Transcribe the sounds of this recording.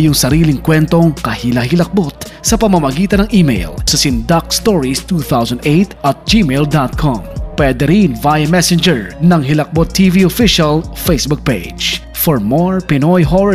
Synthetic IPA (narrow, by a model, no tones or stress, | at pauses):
jʊŋsɐɾiːlɪŋkwɛnt̪o̞ŋkɐhilɐhɪlɐk̚bot̪̚sɐpɐmɐmɐɡiːt̪ɐnɐŋʔimḛjlsɐsɪnd̪ak̚st̪oɹist̪uːθawsɐnd̪ejt̪ʔɐt̪̚d͡ʒimeld̪at̪̚kʰɔ̰mpwɛd̪ɛɾinvajɐmɛsɛnd͡ʒɛɹnɐŋɦɪlɐk̚bot̪ʰːiviofiʃɐlfejsbʊk̚pḛ̥ | d͡ʒ | fɔɹmoɹpɪnojɦoɹ